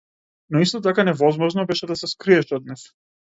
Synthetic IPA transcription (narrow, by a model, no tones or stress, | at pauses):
nɔist̪ɔt̪̬akanɛvɔzmɔʒnɔbɛʃɛd̪asɛskɾiɛʃɔd̪nɛs